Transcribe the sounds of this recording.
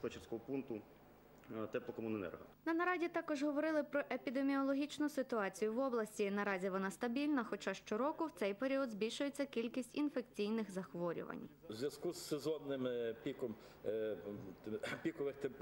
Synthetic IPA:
pɛt͡ʃɪrsʲkɔɦɔpunt̪ʊ | t̪ɛplˠɔkɔmʊnɛnɛ̰rɦɐ̰nɐnɐɾɑzʲit̪ɑkɔʒɦɔʋɔɾɪlˠɪpɾɔʔepʲid̪emʲiɔlˠɔɦʲit͡ʃnʊsɪt̪ʊɑt͡sʲijʊʋɔblˠɐsʲtʲinɐɾɑzʲiʋɔnɑst̪ɐbʲilʲnɐxɔt͡ʃɑʃt͡ʃɔɾɔkʊwt̪sɛjpeɾʲiɔd̪zbʲilʲʃʊjet͡sʲːɐkʲilʲkʲisʲtʲinfe̞k̚t͡sʲijnɪxzɐxʋɔɾʲʊ̰ʋɐ̰nʲzʲʋjɐskusːezɔnːɪmpʲikɔm | pʲikɔʋɪxt̪ɛmp

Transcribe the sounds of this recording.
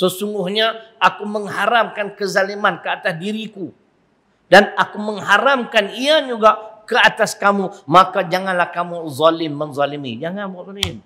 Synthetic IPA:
səsuŋɡʊhɲaakuməŋhaɾamkankəzalimankəat̪asdiɾiku | danakuməŋɦaɾamkaniad͡ʒuɡakəat̪askamumakad͡ʒaŋanlahkamuzɔlɪmːənzɔlimḭd͡ʒaŋanbapɔnm

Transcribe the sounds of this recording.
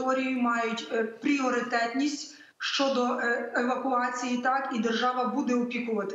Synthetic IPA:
ɔɾʲijʊmɑjʊtʲpɾʲiɔɾɪt̪ɛt̪ʲnʲisʲtʲ | ʃt͡ʃɔd̪ɔeʋɐkʊɑt͡sʲijit̪ɑkid̪ɛrʒɑʋɐbud̪ɛɔpʲikʊʋɐt̪ɪ̥

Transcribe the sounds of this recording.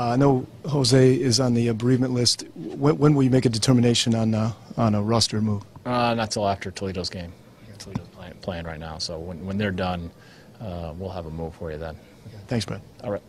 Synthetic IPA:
noʊhoʊzeɪɪzn̩ðiɨbəɹivmɨ̃nʔlɪstwɛ̃wə̃nwəlˠjɨmeɪkɨdɨtʰɜ˞mɨñeɪʃɨ̃nə̃nə̃nəɹʌstə˞muv̥ʌnətsɪlˠæftə˞tʰliɾoʊzɡẽɪ̃m | tʰliɾoʊz̥pʰlæ̃pʰl̥eɪ̃ŋɹaɪtⁿnaʊsoʊwə̃nwə̃nðə˞dʌ̃n | ʌwilˠəvəmuv̥fə˞jɨðə̃n | θæ̃ŋksb̥ɛ̰dɑlˠɹaɪt̚

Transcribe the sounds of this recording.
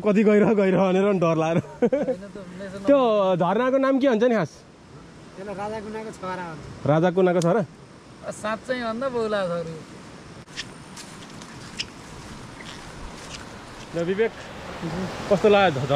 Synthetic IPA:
kʌt̪̬iɡʌjɾʌɦɡʌiɾʌɦʌneɾʌɖʌrlaeɾʌɦjnʌt̪ound̪esʌnt̪jod̪ʱʌrnakonamkiɦʌnt͡sʰʌnikʰas | eloɾad͡zakunakot͡sʰʌɾaɦʌnrad͡zak̬unakot͡sʰʌɾʌ | ʌsãt̪̚t͡saj̃ɦʌnd̪ʌbowlaɡʌɾu | dʌbibekʰ | kʌst̪oladʱ

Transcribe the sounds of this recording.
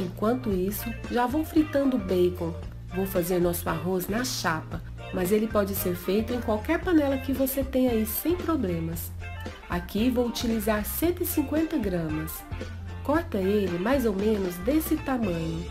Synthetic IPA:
ẽkwɐ̃nt̪ʊisʊ | ʒavõw̃fɾit̪ɐ̃nd̪ʊbejkõw | vowfazeɾnɔsʊaɦosnɐʃapɐ | mɐzelɪpɔd͡ʒɪseɾfejt̪ʊẽj̃kwawkɛɾpɐnɛlɐkɪvoset̪ẽjɲɐisẽj̃pɾoblẽmɐs | a̰kivowut͡ʃilizaɾsẽnt̪ʊɪsĩŋkwẽnt̪ɐɡɾɐ̃mɐs | kɔɾt̪ɐelɪmajzowmẽnʊzd̪esɪt̪amɐ̃ɲʊ

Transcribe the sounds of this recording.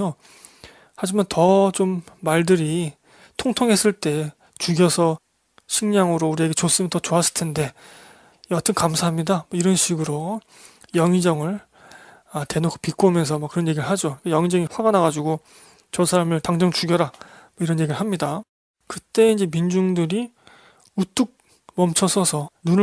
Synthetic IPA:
o | had͡ʑimantʌt͡ɕomːaɭdɯɾi | tʰoŋtʰoŋɦe̞s͈ɯɭt͈e̞ | t͡ɕuɡjʌsʰʌ | ɕʰiŋɲaŋɯɾouɾie̞ɡe̞t͡ɕos͈ɯmjʌntʌt͡ɕoas͈ʰɯ̥ɭtʰe̞nde̞ | jatʰɯnkamsʰaɦamɲidamʌiɾʌnɕʰiɡɯɾo | jʌŋid͡ʑʌŋɯɭ | ate̞nokʰo̥pik͈omjʌnsʰʌmak͈ːɯɾʌnje̞ɡiɾɯɭɦad͡ʑoikejʌŋid͡ʑʌŋiɸwaɡanaɡad͡ʑuɡo | t͡ɕʌsʰaɾamɯɭtaŋd͡ʑʌŋt͡ɕuɡjʌɾamʌiɾʌnje̞ɡiɾɯɭhamɲida | kɯt͈e̞ind͡ʑe̞mind͡ʑuŋdɯɾi | ut͈uk̚ | mʌmt͡ɕʰʌsʰʌsʰʌnun

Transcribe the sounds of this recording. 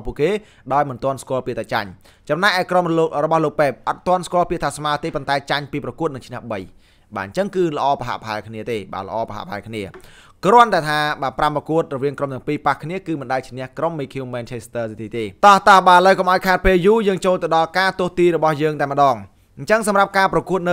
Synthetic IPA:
puəʔkeː | ɗaɔjmɨnt̪ŏənskŏəlpiət̪ʰːaːt͡ɕa̰ɲ | t͡ɕɑmnajʔaɛkromrɔɓɑhloːk̚pɛːp̚ʔɑt̪̚t̪ːŏənskŏəlpiət̪ʰaːsmaət̪eːpont̪aɛt͡ɕaɲpiːprɑkuət̪̚nɨŋt͡ɕʰnɛ̆əhɓəj | ɓa̰ːɲt͡ɕəŋkɨːlə̆ʔɑːpaɦa̰ʔpɦaɛlkʰniət̪eːɓa̰ːlə̆ʔɑːpəɦa̰ʔpʰaɛkʰniə | krŏənt̪aɛt̪ʰaːɓaːpramrɔkuət̪̚rɔʋiəŋkromt̪̆əŋpiːpahkʰniəkɨːmɨnɗaət͡ɕʰnɛ̆əhkromːiːkʰiuːmːɛːnt͡ɕʰest̪əːsit̪ʰiːt̪eːt̪ɑht̪ɑhɓaːələwkomʔaɔjkʰaɛt̪̚peːljuːjəːŋt͡ɕoːlt̪ɨwɗɑlkaːt̪ʊ̆əht̪iːɾɔɓɑhjəːŋt̪aɛmə̆ɗɑːŋ | ɲt͡ɕəŋsɑmrap̚kaːprɑkuət̪̚nɨ

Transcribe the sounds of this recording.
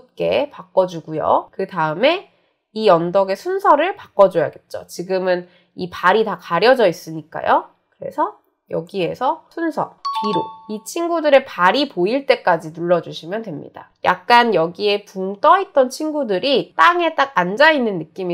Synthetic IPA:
p̚k͈e̞pak͈ʌd͡ʑuɡujo̰kɯdaɯme̞ | ijʌndʌɡe̞sʰunsʰʌɾɯɭpak͈ʌd͡ʑoja̰ɡe̞t̚t͡ɕ͈o̰t͡ɕiɡɯmɯn | ipaɾitakaɾjʌd͡ʑʌis͈ɯɲik͈a̰jo | kɯɾe̞̰sʰʌ | jʌɡie̞sʰʌsʰunsʰʌ̰piɾoit͡ɕʰiŋɡudɯɾe̞paɾipoiɭt͈e̞k͈ad͡ʑinuɭːʌd͡ʑuɕʰimjʌntwe̞mɲḭda̰ja̰k̚k͈anjʌɡie̞puŋt͈ʌit̚t͈ʌnt͡ɕʰiŋɡudɯɾit͈aŋe̞t͈ak̚and͡ʑainːɯnːɯk͈imi

